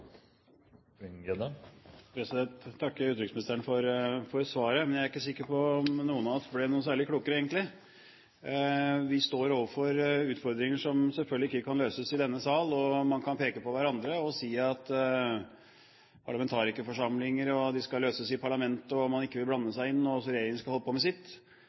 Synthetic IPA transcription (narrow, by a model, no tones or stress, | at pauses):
ɛd̪əpʰɾɛsɪd̪ɛnt̪ʰːɑkːʉːt̪ɾɪksmɪnɪst̪əɾəɳfɔɾfɔɾsʋɑːɾəmɛnjæɾɪkːəsɪkːəɾpɔnuːənɑɔt̪blɛnuːənsæːɭɪkluːkəɾəeːɡənt̪lɪ | ʋɪst̪oːɾoːʋəfɔɾʉːt̪fɔɾd̪ɾɪŋəʂɔmsɛlfœlɡ̪ɪɪkːəkʰɑnløːsəsɪd̪ɛnːəsɑːlɔmɑnkʰɑnpeːkəpɔʋæɾɑnd̪ɾəɔsiːɑt̪ | pʰɑɭɑmɛnt̪ʰɑːɾɪskːəfɔʂɑmlɪŋəɾɔd̪ɪskɑløːsəsɪpʰɑɭɑmɛnt̪əɔmɑnɪkːəʋɪlblɑnːəsæɪɪnːɔsɔɾɛjeːɾɪŋəskɑhɔlːəpʰɔmɛsɪt̪ː